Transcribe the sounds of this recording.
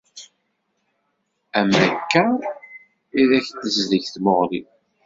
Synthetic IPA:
æmːækːæ | iðæçt̪ːəzləʝθmoʁlḭ

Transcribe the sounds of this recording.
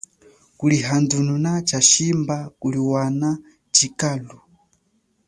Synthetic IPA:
kuliɦandununat͡ʃʰaʃimbakuliwana | t͡ʃikalu

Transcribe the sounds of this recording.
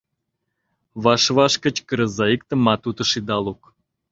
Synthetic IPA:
βɑʃβɑʃkə̆t͡ɕkəɾə̆zɑikt̪ə̆mɑt̪ut̪ə̆ʃid̪ɑluk

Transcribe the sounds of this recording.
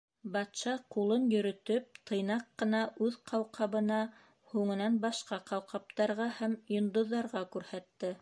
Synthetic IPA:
bɑt̪ʃɑqulˠɤnjɵ̆ɾɵ̆t̪ɵp̚t̪ʰɤ̆jnɑqːɤ̆nɑʔʉðqʰɑwqʰɑβɤ̆nɑ | huŋɤ̆nɑnbɑʃqɑqɑwqɑp̚t̪ɑɾʁɑhæmjŏnd̪ŏðːɑɾʁɑkʉɾhæt̪ːɘ

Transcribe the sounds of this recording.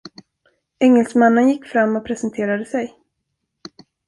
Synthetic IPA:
ɛŋːɛlsmanːənjɪkːfɾamːɔpʰɾɛsənt̪ʰeːɾad̪əsɛj

